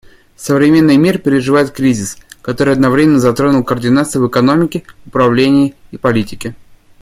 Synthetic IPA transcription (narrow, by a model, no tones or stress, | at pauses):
səvɾʲɪmʲe̞nːɨjmʲirpʲɪɾʲɪʐɨvajɪt̪̚kɾʲizʲɪskɐt̪o̞ɾɨjɐd̪nɐvɾʲemʲɪnəzɐt̪ɾo̞nʊlˠkərdʲɪnat̪sɨjvɨkɐno̞mʲɪkʲɪʊpɾɐvlʲenʲɪjɪipɐlʲitʲɪkʲɪ